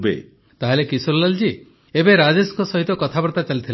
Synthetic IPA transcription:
bḛ | t̪aɦelekisulɔlald͡ʒi | ebeɾad͡ʒesɔŋkɔsɔɦit̪ɔkɔt̪ʰabɔɾt̪at͡ʃalit̪ʰil

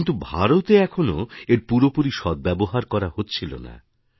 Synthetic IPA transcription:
nt̪ubʱaɾot̪eɛkʰonoeɾpuɾopuɾiʃɔd̪̚bɛboɦaɾkɔɾaɦotːɕʰilo̰na̰

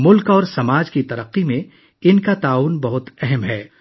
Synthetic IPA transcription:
mʊlkɔːɾsɐmaːd͡ʒkit̪ɐɾəqːimẽ | ɪnkat̪aːuːnbɐɦʊt̪ɛɦɛmɦɛː

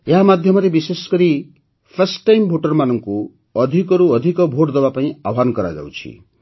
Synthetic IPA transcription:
eɦamad̪ʱjɔmɔɾebisesɔ̥kɔɾi | pʰesʈːajmbʱoʈɔɾmanʌŋku | ɔd̪ʱikɔɾuɔd̪ʱikɔbʱoʈd̪ɔbapaĩabɦankɔɾa̰d͡ʒa̰wt͡ʃʰḭ

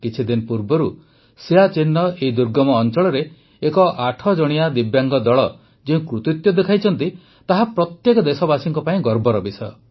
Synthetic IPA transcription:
kit͡ʃʰid̪inɔpuɾbɔɾu | seat͡ʃinːɔʔeid̪uɾɡɔmɔːnt͡ʃɔɭɔɾe | ekɔʔaʈʰɔd͡ʒɔɽ̃ijad̪ibjaŋɡɔd̪ɔɭɔ | d͡ʒeũkɾut̪it̪jɔd̪ekʰajt͡ʃʰɔnt̪i | t̪aɦapɾɔt̪jekɔd̪esɔbasiŋkɔpaĩɡɔɾbɔɾɔbisʰɔ

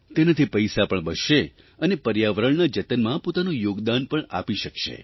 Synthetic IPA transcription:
t̪enat̪ʰipəjsapəɳbəʃe | ənepəɾjaʋəɾəɳnad͡ʒət̪ənmãpot̪anũjoɡd̪anpəɳa̰piʃəkʃḛ

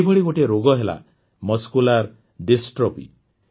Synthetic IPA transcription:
bʱɔɽiɡoʈeɾoɡɔɦela̰ | mɔskulaɾ | ɖisʈɾɔpḭ

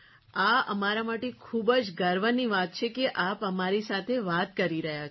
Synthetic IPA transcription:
aə̰maɾamaʈekʰubd͡ʒɡəɾʋəniʋat̪̚t͡ʃʰekeʔapəmaɾisat̪ʰeʋat̪kəɾiɾəɦja

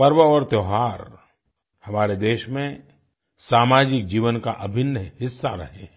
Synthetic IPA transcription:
pɐɾʋəɔːɾt̪joːɦaːɾ | hɐmaːɾed̪eːʃmẽ | saːmaːd͡ʒɪk̚d͡ʒiːʋənkaʔɐbʱɪnːəhɪsːaɾɐ̰ɦeɛ̃

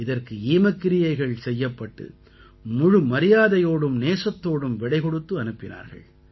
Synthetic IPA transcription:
ɪðɐrkɯiːmɐkːɪɾɪjɐɪɣɐɭsɛjːɐpːɐʈːɯ̰ | mʊɻɯmɐɾɪjaːðɐjoːɽɯmneːsɐt̪ːoːɽɯmʋɪɽɐɪkɔɽɯt̪ːɯɐnɯpːɪna̰ːɾɣɐ̰ɭ

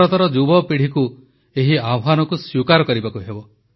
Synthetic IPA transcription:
ɔt̪ɔɾɔd͡ʒubɔpiɽ̤iku | eɦiabʱanɔkusjukaɾɔkɔɾibakuɦebɔ

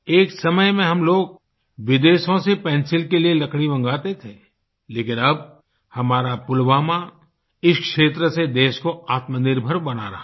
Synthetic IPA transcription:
eːksɐməjmẽɦɐmloːɡ̚ | ʋɪd̪eːʃõsepɛ̃ːnsɪlkelielɐkɽibɐ̃ŋɡaːt̪et̪ʰeː | leːkɪnɐb̚ | hɐmaːɾapʊlʋaːma | ɪʃkʃeːt̪ɾəsed̪eːʃkoaːt̪mənɪɾbʱəɾbɐna̰ɾɐ

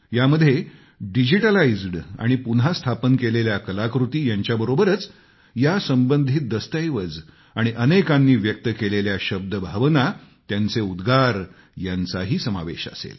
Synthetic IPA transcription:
jaməd̪ʱje | ɖid͡ʑiʈəlaid͡zɽa̰ɽ̃ipunɦast̪ʰapənkeleljakəlakɾut̪iːjaɲt͡ɕjabəɾobəɾət͡s | jasəmbənd̪ʱit̪̚d̪əst̪ajʋəd͡z | aɽ̃iʔənekãnːiːʋjək̚t̪əkeleljaɕəb̚d̪əbʱaʋnat̪jant͡seud̪ɡaɾ | jant͡saɦiːsəma̰ʋeɕa̰sḛl

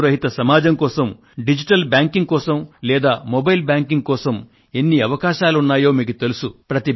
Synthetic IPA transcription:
ɾɐɦit̪ɐsɐmaːd͡ʒɐŋkɔːsɐm | ɖid͡ʒiʈɐlbjaːŋkiŋɡ̚kɔːsɐmlɛːd̪aːmɔbɐjlbjaːŋkiŋɡkɔːsɐm | enːiɐʋɐkaːʃaːluunːaːjo̞ːmiːkut̪e̞lusupɾɐt̪i

